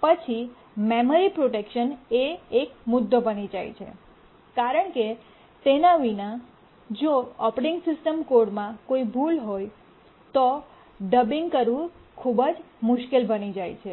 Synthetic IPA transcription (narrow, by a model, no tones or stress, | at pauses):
pət͡ʃʰi | meməɾipɾoʈekʃəneek̚mʊd̪ʱːobənid͡ʒa̰jt͡ʃʰḛ | kaɾəɳke | t̪enaʋinã | d͡ʒoɔpɾiŋɡsɪsʈəmkoɾɖmãkoibʱulɦoj | t̪o | ɖəbiŋɡkəɾʋũkʰubəd͡ʒ | mʊʃkelbənid͡ʒajt͡ʃʰe